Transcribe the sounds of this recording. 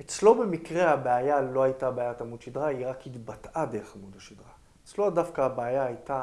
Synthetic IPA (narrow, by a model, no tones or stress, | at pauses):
et͡slo̞be̞mikʁeabeajalo̞ajtabeajatamudʃidʁaiʁakhitbatadeʁeχamudhaʃidʁa | et͡slo̞adafkaːbeajaːjta